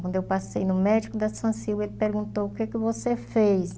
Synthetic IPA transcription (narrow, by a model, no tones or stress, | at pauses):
wɐ̃nd̪ʊewpasejnʊmɛd͡ʒikʊd̪ɐsɐ̃siwɡelɪpeɾɡũnt̪owʊkekɪvosefejs